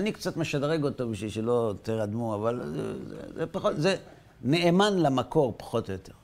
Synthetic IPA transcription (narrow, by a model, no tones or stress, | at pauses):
nikt͡sat̪me̞ʃadʁeɡo̞t̪obiʃviʃilo̞t̪eʁad̪muavalzḛzḛzepaχotze | neemanlamako̞ʁpḁχo̞t̪ojot̪ʰe̞ʁ